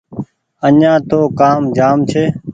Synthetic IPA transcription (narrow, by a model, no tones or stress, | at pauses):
əɲãːt̪oːkaːmd͡ʒaːmt͡ʃʰeː